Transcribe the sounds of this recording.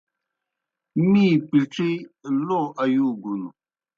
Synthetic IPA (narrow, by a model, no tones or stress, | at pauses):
mipiʈ͡ʂilɔʔajuɡunu